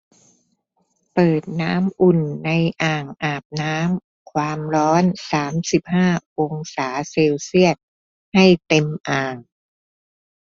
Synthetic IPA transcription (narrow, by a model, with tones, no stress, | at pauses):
pɤː˨˩t̪̚naː˦˥mʔu˨˩nːa˧jʔaː˨˩ŋʔaː˨˩p̚naː˦˥m | kʰwaː˧mɾɔː˦˥nsaː˩˦msi˨˩p̚haː˥˩ʔo˧ŋsaː˩˦seː˧wsi˥˩ət̪̚ | ha˥˩jt̪e˧mʔaː˨˩ŋ